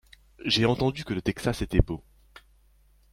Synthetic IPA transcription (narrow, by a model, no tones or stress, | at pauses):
ʒeɑ̃t̪ɑ̃d̪ykələt̪ɛksaset̪ɛbo